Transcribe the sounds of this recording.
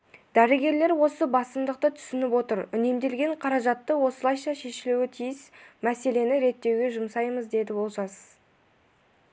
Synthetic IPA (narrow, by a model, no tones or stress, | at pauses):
d̪̥æɾɪɡʲe̞ɾle̞ɾwo̞səbɑsəmd̪əq̚t̪ət̪ʰʏ̥sɪnɪpwo̞t̪əɾʏne̞md̪e̞lɡʲe̞ɴqʰɑɾɑʒɑt̪ːəwo̞səlˠɑjʃɑʃe̞ʃɪluwɪt̪ʰijɪsmæse̞le̞nɪɾe̞t̪ːe̞wɡʲe̞ʒʊmsɑjməzd̪e̞d̪ɪbo̞lˠʒɑsə